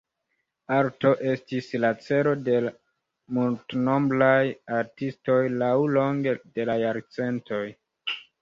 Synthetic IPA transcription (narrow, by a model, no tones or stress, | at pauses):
aɾto̞ʔe̞stislat͡se̞ɾo̞de̞ | multno̞mblajaɾtisto̞jlawlo̞ŋɡede̞lajaɾt͡se̞ntʰo̞j